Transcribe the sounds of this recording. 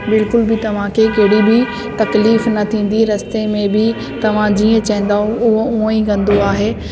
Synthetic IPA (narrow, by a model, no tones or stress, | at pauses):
bɪlkʊlbʱɪt̪ɐʋ̤ãkʰekɐɦɽibʱi | t̪ɐkliːfnɐt̪ʰĩːn̆d̪iɾɐst̪emẽbɪ | t̪ɐʋ̤ãd͡ʑiːə̃t͡ɕɐɦɪ̃n̆d̪aːɦũʊɦoũːĩɡɐ̃nd̪oaːɦeː